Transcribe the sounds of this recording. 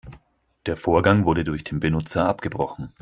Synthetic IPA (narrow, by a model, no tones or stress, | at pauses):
d̥eːɐfoːɐɡaŋvʊɐɾədʊɐçd̥eːnbənʊt͡sɐʔapɡ̥əbʁɔχn̩